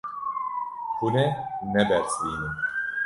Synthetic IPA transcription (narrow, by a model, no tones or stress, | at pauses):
hunɛnɛbɛɾsiːnɨm